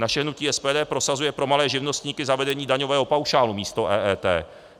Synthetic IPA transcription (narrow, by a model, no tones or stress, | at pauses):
naʃɛɦnuciːɛspɛːdɛːpɾo̞sazujɛpɾo̞malɛːʒɪvno̞st̪ɲiːkɪzavɛdɛɲiːdaɲovɛːɦo̞pawʃaːlumiːst̪oʔɛːɛːt̪ɛ̰ː